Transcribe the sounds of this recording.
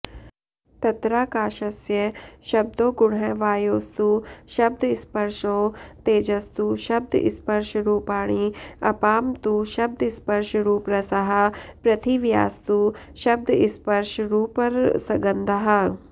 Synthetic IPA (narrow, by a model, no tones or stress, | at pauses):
t̪ɐt̪ɾaːkaːʃɐsjɐʃɐb̚d̪oːɡʊɽɦẽʋaːjoːst̪uʃɐb̚d̪ʱɪspɐɾʃõːt̪eːd͡ʒɐst̪uʃɐb̚d̪ʱɪ̰spɐɾʃɾuːpaːɽ̃iɐpaːmt̪uʃɐb̚d̪ʱɪspɐɾʃɾuːpɾɐsɐɦɐ̆pɾɐt̪ʰiʋja̰ːst̪u | ʃɐb̚d̪ʱɪspɐɾʃɾuːpɐɾsɐɡɐnd̪ʱɐɦɐ̆